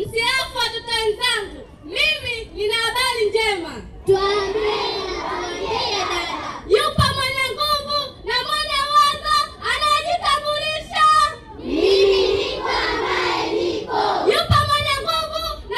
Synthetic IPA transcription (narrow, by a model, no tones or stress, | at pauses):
m̩siafuwatɔtawɛnzaŋɡu | mivininaːɓaliɲd͡ʒɛma | tuaainasamaiajupamwɔɲaŋɡuvunamɔʄawaŋɡaːnaɔʄitaɡuliʃa | a | jupamwɔɲaŋɡuɡuna